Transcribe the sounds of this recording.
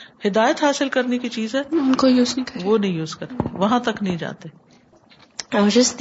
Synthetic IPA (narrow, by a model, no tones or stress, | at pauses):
hɪd̪aːjət̪ɦaːsɪlkɐɾnekit͡ʃiːzɦɛːʊnkojuːznɐĩkɐʋonɐɦĩjuːzkɐɾt̪eʋɐɦãt̪ɐknɐɦĩd͡ʒa̰ːt̪e | ad͡ʒɪst̪